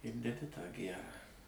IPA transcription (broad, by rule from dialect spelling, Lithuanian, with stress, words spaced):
ɪr dʲɛˈdʲɪ tɑː ˈɡʲærɑː